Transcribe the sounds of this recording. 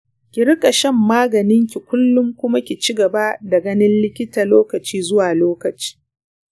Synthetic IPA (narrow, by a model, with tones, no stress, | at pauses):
kʲɪ˨ɽɪ˦kʼɐ˨ʃɐ˦˨mːaː˦ɡɐ˨nɪ˦ŋkʲi˨kʷʊ˦lːʊ˦ŋkʷʊ˦ma˦kʲi˨t͡ʃɪ˦ɡɐ˨ba˦da˨ɡɐ˦nɪ˦nlɪ˦kʲɪ˦taː˨loː˦kɐ˨t͡ʃiː˦zʊ˦waː˨loː˦kɐ˨t͡ʃi̥ː˦